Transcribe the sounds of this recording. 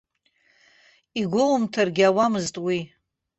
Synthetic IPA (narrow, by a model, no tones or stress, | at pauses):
iɡʷolmtʰarɡʲawamɨztʼwi